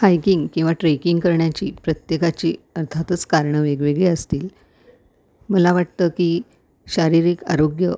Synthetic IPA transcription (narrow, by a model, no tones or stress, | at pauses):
hajkiŋɡkĩw̃ʋaʈɾekiŋɡkəɾɳjat͡ɕḭːpɾət̪jekat͡ɕiːəɾt̪ʰat̪ət͡skaɾɳəʋeɡʋeɡɭiəst̪iːl | məlaʋaʈ̚t̪əkiː | ɕaɾiɾiːka̰ɾoɡjə̰